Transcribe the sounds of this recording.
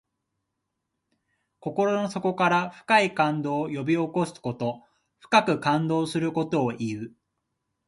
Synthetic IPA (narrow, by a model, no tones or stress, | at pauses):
ko̞ko̞ɾo̞no̞so̞ko̞kaɾaɸɯ̟̥kaikãnd̪o̞ːjo̞bʲio̞ko̞sɨ̥ko̞t̪o̞ | ɸɯ̥kakɯ̟kãnd̪o̞ːsɨɾɯ̟ko̞t̪o̞ːʔiɯ